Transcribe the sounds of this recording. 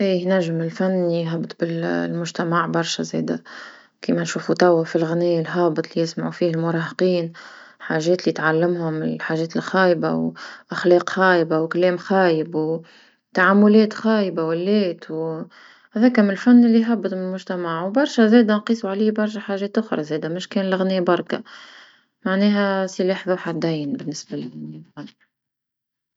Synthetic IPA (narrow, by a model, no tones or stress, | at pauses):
ʔiːjnæʒːɪmɪlfanːlijɦɑbːət̪ˤbɪllmʊʒt̪æmaʕbɑɾˤʃazɛ̰ːd̪æ | kiːmænʃuːfut̪ˤɑwːafilɣniːlɦɑːbɨt̪ˤlijɪsmaʕufiːhɪlmʊɾˤɑːhqiːnħaːʒɛːt̪lit̪ʕalːɪmhʊmɪlħaːʒɛːt̪ɪlxɑːjba̰wʔaxlɑːqxɑːjbawkælɛːmxɑːjɪbw | t̪aʕamːʊlɛːt̪xɑːjbawælːɛːt̪w | hɛðɛːkæmɪnɪlfanːɪlːiɦabːɨt̪ˤɪlmʊʒt̪æmaʕwbɑɾˤʃɛzɛːd̪ænqiːsˤuʕaliːhbɑɾˤʃæħaːʒɛːt̪ʔʊxɾˤɑzɛːd̪æmɪʃkɛːnlɪɣnɪjbɑɾˤka̰ | maʕnɛːɦæsɪlɛːħðˤɑħad̪æjːɪnbɪnːɪsbælɪdɪniðˤɑm